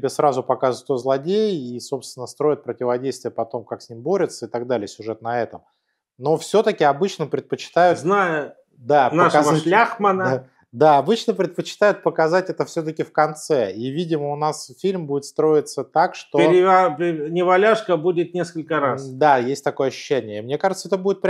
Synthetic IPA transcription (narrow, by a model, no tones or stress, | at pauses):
tʲɪbʲesɾazʊpɐkazʊt̪ozlˠɐdʲejiso̞pst̪vʲɪnːəst̪ɾo̞ɪt̪̚pɾətʲɪvɐdʲejst̪vʲɪjəpɐt̪o̞mkaksʲnʲimʲbo̞ɾʲɪt̪səɪt̪ɐɡd̪alʲɪjəsʲʊʐɛt̪̚nɐɛt̪əm | no̞fsʲɵt̪əkʲɪɐbɨt͡ɕnəpɾʲɪt̪̚pət͡ɕɪ̥t̪ajʊznajʊ | d̪anəaʂavəʂlʲaxmənə | d̪aɐbɨt͡ɕnəpɾʲɪt̪pət͡ɕɪ̥t̪ajʊt̪̚pəkɐzatʲɛt̪əfsʲɵt̪əkʲɪfkɐnt̪sɛivʲidʲɪməʊnasfʲilʲmbudɪt̪st̪ɾo̞ɪt̪sət̪akʂt̪oɪɾɪpʲnʲɪvɐlʲaʂkəbudʲɪt̪̚nʲeskəlʲkəɾasd̪ajesʲtʲt̪ɐko̞jəɐɕːʉ̥ɕːænʲɪjəmnʲe̞kaʐɨt̪səɛt̪əbudʲɪt̪̚pɾʲ